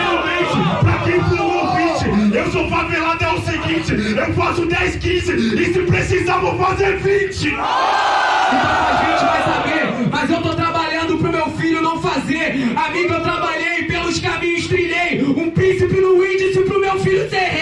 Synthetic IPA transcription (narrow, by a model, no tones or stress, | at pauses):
awmẽt͡ʃɪpɾakepelʊ̃owvĩt͡ʃɪewsofavelat̪ɛʊsiɡĩt͡ʃɪewfasʊd̪ɛskĩzɪɪsɪpɾesizavɐfazeɾvĩt͡ʃɪ | ĩsazẽt͡ʃɪvajsabeɾmɐzewt̪ot̪ɾabaʎɐ̃nd̪ʊpɾʊmewfiʎʊnɐ̃w̃fazeɾamĩkewt̪ɾabaʎejpelʊʃkamĩɲʊʃt̪ɾiʎejũpɾĩsipɪnʊĩd͡ʒɪzɪpɾʊmewfiʎʊse